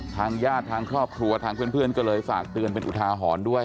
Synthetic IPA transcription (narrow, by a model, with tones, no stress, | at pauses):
t̪ʰaː˧ŋjaː˥˩t̪ʰːaː˧ŋkʰɾɔː˥˩p̚kʰɾu˧ɐt̪ʰaː˧ŋpʰɯ˥˩ənpʰɯ˥˩ənkɔː˥˩lɤː˧jfaː˨˩k̚t̪ɯ˧ənp̬e˧nʔu˨˩t̪ʰaː˧ɦɔː˩˦ndu˥˩əj